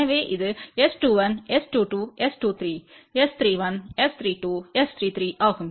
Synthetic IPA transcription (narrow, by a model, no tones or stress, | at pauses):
ɐʋeːʔiðɨesʈuːʋɐnesʈuːʈuːesʈuːt̪ʰɾiːest̪ʰɾiːʋɐnest̪ʰɾiːʈuːest̪ʰɾiːt̪ʰɾiːʔaːkum